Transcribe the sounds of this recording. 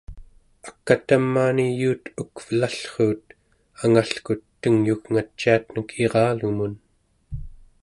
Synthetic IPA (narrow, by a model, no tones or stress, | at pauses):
ḁkːat̪amːaːnijuːt̪ukvəlaɬχuːt̪ | aŋaɬkut̪ːəŋjuɣŋat͡ʃːiat̪nəkʰeʁɑːluɣmun